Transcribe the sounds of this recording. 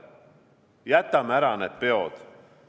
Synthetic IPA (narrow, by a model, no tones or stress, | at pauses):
jæt̪ːˑɑmæɾɑnet̪̚peod̪̥